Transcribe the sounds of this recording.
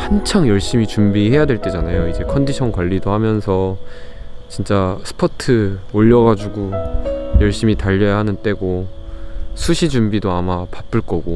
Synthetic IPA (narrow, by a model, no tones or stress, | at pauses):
hant͡ɕʰaŋjʌɭɕ͈imit͡ɕumbihe̞jadwe̞ɭt͈e̞d͡ʑanajoid͡ʑe̞kʰʌndiɕʰʌnkwaʎːidohamjʌnsʰʌ | t͡ɕint͡ɕ͈asʰɯ̥pʰʌtʰɯoʎːʌɡad͡ʑuɡojʌɭɕ͈imitaʎːʌjaɦanɯnt͈e̞ɡo | sʰuɕʰid͡ʑumbidoamapap͈ɯɭk͈ʌɡo